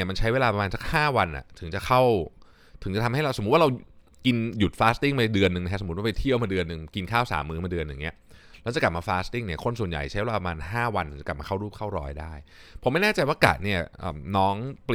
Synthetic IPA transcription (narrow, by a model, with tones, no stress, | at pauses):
ma˧nt͡ɕʰa˦˥jweː˧laː˧pa˧mːaː˧nsa˦˥k̚haː˥˩wa˧nʔa̰˨˩t̪ʰɯ˩˦t͡ɕa˨˩kʰa˥˩w | t̪ʰɯ˨˩˦ŋa˨˩t̪ʰa˧mɦa˥˩jɾa˧wso˩˦˥wa˥˧ɾa˧w | ki˧nju˨˩t̪̚faː˦˥st̪i˥˩ŋmaː˧dɯ˧ənːɯ˨˩ŋn˦kʰa˦˥so˩˦˥waː˥˧pa˧jt̪ʰi˥˩əwmaː˧dɯ˧ənːɯ˧ŋki˧nkʰaː˥˩wsa̰ː˩˦mːɯː˦˥maː˧dɯ˧ənja˨˩ŋːi˦˥ɐ | lɛ˦˥wt͡ɕa˨˩ka˨˩p̚maː˧faː˦˥st̪i˥˩ŋni˥˩ɐkʰo˧nsu˨˩ənja̰˨˩jt͡ɕʰa˦˥jweː˧laː˧a˧maː˧nɦaː˥˩wa˧n˨˦˩t͡ɕka˨˩p̚mː˧kʰa˥˩wɾu˥˩p̚kʰa˥˩wɾɔː˧jdaː˥˩j | pʰma˥˩jnɛː˥˩t͡ɕa˧jwaː˥˩ka̰ː˨˩t̪̚ni˥˩ɐʔə̰ː˨˩mnɔː˦˥ŋp